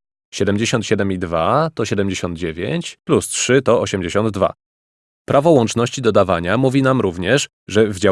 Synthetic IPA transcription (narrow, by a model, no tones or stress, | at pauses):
ɕɛd̪ɛmd͡ʑeɕɔnt̪ɕɛd̪ɛmid̪vat̪ɔɕɛd̪ɛmʲd͡ʑeɕɔ̃nd̪̚d͡ʑevʲjḛɲt͡ɕplustʂɘt̪ɔɔɕɛmd͡ʑeɕɔnd̪ːva̰ | pɾʔavɔwɔnt͡ʂnɔɕt͡ɕid̪ɔd̪avaɲamuvʲinamɾuvɲɛʂ | ʐɛvd͡ʑa